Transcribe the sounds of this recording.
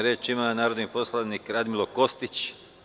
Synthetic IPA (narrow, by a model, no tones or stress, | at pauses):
ɾet͡ʃimanaːɾod̪nipo̞slˠanikɾad̪milˠoko̞st̪it͡ʃ